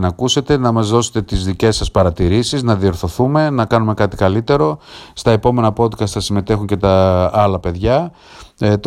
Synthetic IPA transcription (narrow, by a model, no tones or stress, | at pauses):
nɐkuse̞t̪e̞nɐmɐzðo̞se̞̥t̪e̞t̪izðice̞sːɐspɐɾɐt̪iɾisiznɐðio̞ɾθo̞θume̞nɐkɐnume̞kɐt̪i̥kɐlit̪e̞ɾo̞st̪ɐe̞po̞me̞nɐpo̞t̪kɐst̪ɐsime̞t̪e̞xuɲce̞t̪ɐɐlɐpe̞ðʝɐ | t̪